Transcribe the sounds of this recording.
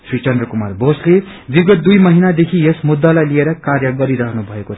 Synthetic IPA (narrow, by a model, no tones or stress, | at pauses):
srit͡sʌnd̪rʌkumarbosle | biɡʌt̪̚d̪ujmʌɦinad̪ekʰiesmud̪ːalajlieɾʌkarjʌɡʌɾiɾʌɦnubʱʌeko